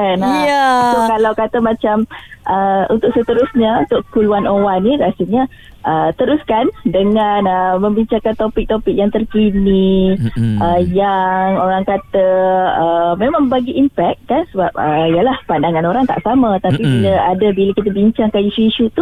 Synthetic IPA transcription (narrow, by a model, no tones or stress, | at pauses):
anjasokalawkat̪əmãt͡ʃamʔəṵnt̪ʊkʔ̚sət̪əɾusɲəunt̪ʊʔkuluanowaniɾasulɲə | ʔət̪əɾuskandəŋanəmə̃mbiɲt͡ʃaŋkant̪opik̚t̪opik̚jaŋt̪ərkini | ʔəjaŋoɾaŋkat̪əəmemãŋbaɡiʔimpɛk̪̚kansəbap̚əijəlahpandaŋanoɾaŋt̪a̰ʔsamət̪apibiləadəbiləkit̪əbiɲt͡ʃaŋkaniʃuiʃut̪u